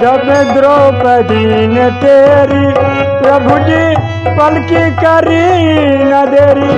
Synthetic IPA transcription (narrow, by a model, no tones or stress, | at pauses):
d͡ʒɐbẽd̪ɾopəd̪inet̪eːɾipɾɐbʱuʈi | pɐlkikɐɾinad̪eːɾi